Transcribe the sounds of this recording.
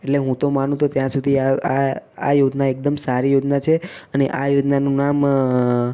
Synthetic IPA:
eʈleɦũt̪omanũt̪ot̪jãsud̪ʱiaaa̰jod͡ʒnaek̚d̪əmsaɾijod͡ʒnat͡ʃʰeəneʔajod͡ʒnanũnam

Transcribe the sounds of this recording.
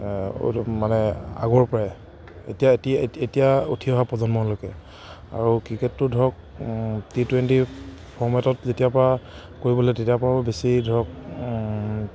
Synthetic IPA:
manɛa̰ɡɔɹpɔɹa | ḛtijatietijaṵtʰiɔɦapɔzɔnmɔnlokɛ | a̰ɹukɹiketːʊdʱɔk̚ | titwenti | pʰɔɹmɛtɔtzetijapɔɹa | koɹibɔlɛtetijapɔɹabesidʱɔk̚

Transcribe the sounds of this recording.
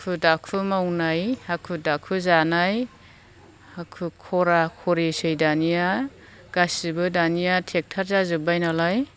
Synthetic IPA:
kʰudakʰumawnajakʰudakʰuzanaj | akʰukʰɔɾakʰɔɾesɯjdanija | ɡ̥asibɯdanijatʰek̚tʰaɾzazɯbajnalaj

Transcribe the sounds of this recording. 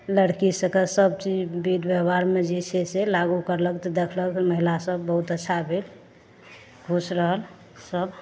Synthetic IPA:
ləɽkisəkəlsəbt͡ʃid͡ʒbid̪bjəbaɾmed͡ʒiseselaɡukəɾlək̚t̪ɔd̪ekʰləkməɦilasəbːəɦut̪ətːʃʰabʱel | ɡʱusɾəɦəl | səb

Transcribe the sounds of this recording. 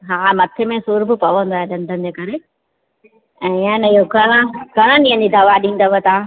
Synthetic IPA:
ɦaːmɐt̪ʰemẽsuːɾbʱʊpɐʋə̃nd̪oaːeɗɐ̃nd̪ʱənd͡ʑeːkɐɾe | ɛ̃ːɪãniɦoɡɐɾə̃ɡʱɐɾ̃ə̃nĩːə̃nd͡ʑid̪ɐʋaɗĩːn̆d̪əʋət̪ʰa

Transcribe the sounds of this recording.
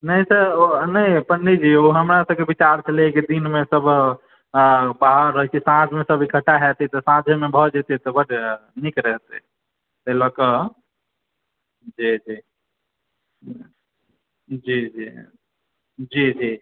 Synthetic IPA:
nəisənəipənːid͡ʒioɦəmɾasəbkebit͡ʃaɾt͡ʃʰəlekid̪inmesəbʱ | baɦəɾːəɦikisãd͡ʒʱmesəbʱikʰəʈaɦɛt̪it̪ɔsãd͡ʒʱmebʱɔd͡ʒet̪it̪ɔbəʈnikɾəɦt̪ɛ | t̪əlɔkə | d͡ʒid͡ʒi | d͡ʒid͡ʒi | d͡ʒid͡ʒi

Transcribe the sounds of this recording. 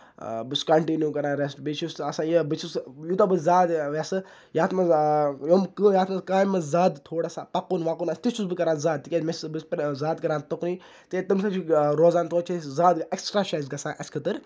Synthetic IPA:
bɨskɐɳʈinjuːkɐɾaːɾesʈbit͡ʃʰusɐsãːjəbɨt͡ʃʰusjut̪obɨzaːd̪ʋasɨ | jaːt̪ʰmɐjomkɨjaːt̪ʰmɐskaːmɐzaːd̪t̪ʰoːɽasaːpɐkunʋakuːnɐst̪it͡ʃʰusbɨkɐɾãːnzaːd̪̚t̪ːikʲemesbɨspɾzaːd̪kɐɾãːnt̪ɐkni | t̪et̪ɐmsʰɐt͡ʃiɾoːzaːnt̪ʰoːt͡ʃʰezaːd̪eksʈɾaːt͡ʃaːzɡɐsãːʔɐskʰɐt̪ɨɾ

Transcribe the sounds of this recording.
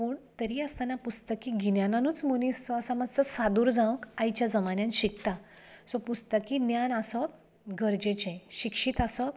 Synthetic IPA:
puɳt̪əɾiəst̪anapust̪əkiɡinjananũːt͡smunist͡sɔəsamad͡zt͡sɔsad̪uːɾd͡zãʋ̃kajt͡ɕjad͡zəmanjãnɕikt̪a | sɔpust̪əkinjanasɔ | ɡəɾd͡ʑet͡ɕẽɕikʂiːt̪asɔ

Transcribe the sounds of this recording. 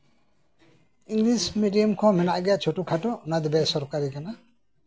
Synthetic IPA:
iŋɡlismidiɔmkʰɔ̃mɛnaʔɡɛaʔt͡ʃʰɔʈukʰaʈɔunad̪ɛbɛsɔɾkaɾikana

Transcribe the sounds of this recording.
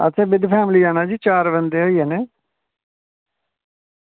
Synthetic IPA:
ə̰t̪ẽːbɪd̪pʰɛːmliːaːnaːd͡ʒiːt͡ʃaːɾʋənd̪eːɦoːiːeːneː

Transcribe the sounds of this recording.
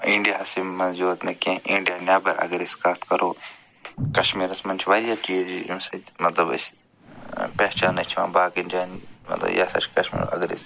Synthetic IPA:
ĩɳɖijaɐsimmɐnd͡ʒuːt̪nekẽĩɳɖijaːnjaːbɐɾɐ̰ɡɾiskaːt̪ʰkɐɾoː | kɐʃmiːɾɐsmɐnt͡ʃʰʋaːɾijaːkiːd͡ʒiuːsɐt̪mɐt̪lɐbɐ̰s | pɛɦt͡ʃaːnːɐt͡ʃʰiã̰ːbaːkiɳɖijaːnmɐ̰t̪lɐ̰bja̰ːsɐ̰t͡ʃʰkɐʃmḭːɾɐ̰ɡɾḭs

